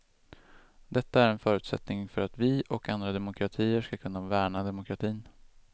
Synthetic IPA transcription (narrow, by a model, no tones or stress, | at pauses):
d̪ɛt̪ːaæɾɛnfœːɾʉ̟ːt̪sɛ̰t̪nɪŋfœɾat̪vɪʔɔkand̪ɾad̪ɛmʊkʰɾat̪ʰiːəʂkakʰɵnːavæːɳad̪ɛmʊkʰɾat̪ʰiːn